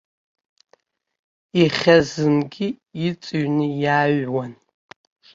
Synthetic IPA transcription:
iχʲɐzɨmɡʲijɪt͡sʼɨɥnɨjaːɥwɐn

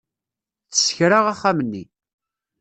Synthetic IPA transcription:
t͡sːə̥sə̥çɾaʁaχːamənːḭ

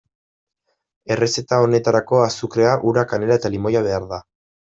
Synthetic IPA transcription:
e̞re̞se̞t̪ao̞ne̞t̪aɾako̞asukɾe̞aʔuɾakane̞ɾae̞t̪alimo̞jaβ̞e̞aɾða

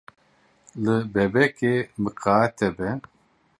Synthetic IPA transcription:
lɨbɛbɛkemɨqɑːɛt̪ʰɛbɛ

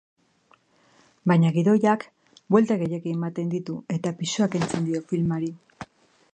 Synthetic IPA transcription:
bajɲaɣiðo̞jak | bwe̞lt̪aɣe̞je̞kiːmat̪e̞nd̪it̪ue̞t̪apisuake̞nt͡se̞nd̪io̞filmaɾi

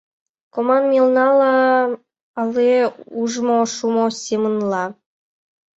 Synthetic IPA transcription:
komɑnmʲilnɑlˠɑ | ɑlːieuʐmoʃumosʲemə̆nlˠɑ

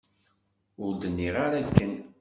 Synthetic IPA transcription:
ʊɾd̪ənːiʁaɾakːən

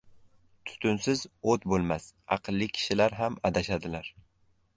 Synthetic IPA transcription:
t̪ʰʊ̥t̪ʰʊnsɪzot̪bolˠmasɑ̰qʰɨlˠːɪkʲʰɪ̥ʃɪlaɾɦamad̪aʃad̪ɪlaɾ

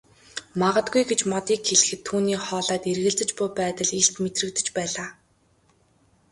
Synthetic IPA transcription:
maʁə̆t̪ɡujɡet͡ɕmɔt̪iːkxeɮɘ̆xɘ̆t̪ʰːuːniːχɔːɮaːt̪erɣɘ̆ɮt͡sɘ̆t͡ɕpʊːpæːt̪ə̆ɮeɬt̪met̪rɘ̆k̚t̪ɘ̆t͡ɕpæːɮaː

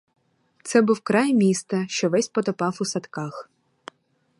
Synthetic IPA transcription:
t̪sɛbuwkɾɑjmʲist̪ɐʃt͡ʃɔʋɛsʲpɔt̪ɔpɑfʊsɐt̪kɑx

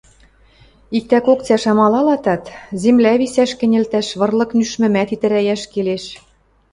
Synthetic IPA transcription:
ik̚t̪ækok̚t͡sæʃɑmɑlɑlɑt̪ɑt̪zemlæβisæʃkɘ̆nʲɘ̆lt̪æʃβɤ̆rlɤ̆knyʃmɘ̆mæt̪it̪ɘ̆ɾæjæʃkeleʃ

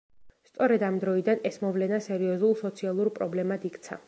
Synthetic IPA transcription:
st̪sʼɔɾɛd̪amd̪ɾɔid̪anɛsmɔvlɛnasɛɾiɔzulˠsɔt̪sʰialˠuɾpʼɾɔblɛmad̪ikʰt̪sʰa̰

